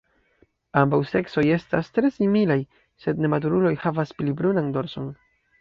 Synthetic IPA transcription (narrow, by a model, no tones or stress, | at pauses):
ambawse̞kso̞je̞stastɾe̞similaj | se̞dne̞mat̬uɾulo̞jhavasplibɾunando̞ɾso̞n